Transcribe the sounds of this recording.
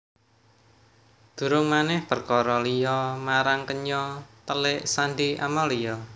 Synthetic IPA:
d̪̥ṳɾʊŋmanɛhpərkɔɾɔlijɔmaɾaŋkəɲɔt̪əlɪʔsandiʔa̰mɔlijɔ

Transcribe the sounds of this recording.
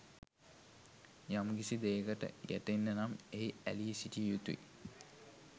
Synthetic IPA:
jamɡisid̪eːɡəʈə̰jæ̰ʈenːənameiæ̰lijsiʈijut̪uḭ

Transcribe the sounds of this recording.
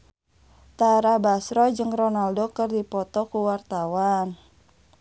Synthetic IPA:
t̪aɾabasɾɔd͡ʒɨŋrɔnaldɔkɨrdipɔt̪ɔkuwart̪awan

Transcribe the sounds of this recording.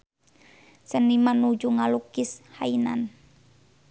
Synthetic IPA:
sənimanud͡ʒuŋalukishainan

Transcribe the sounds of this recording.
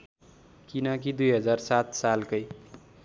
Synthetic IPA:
kinʌk̬id̪ujɦʌd͡zarsat̪salkʌj

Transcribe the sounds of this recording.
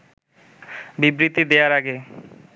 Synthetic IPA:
bibɾit̪id̪eaɾaɡe

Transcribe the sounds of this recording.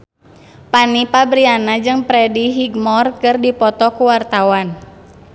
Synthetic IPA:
panipabɾianad͡ʒɨŋpɾɛdiɦiɡmɔrkɨrdipɔt̪ɔkuwart̪awan

